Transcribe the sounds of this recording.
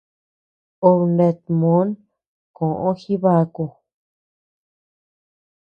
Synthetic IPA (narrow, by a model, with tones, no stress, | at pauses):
o˧βnẽ˧t̪̚mõ˨˦n | kõ˨ʔõ˦xi˦βa˧˦ku˧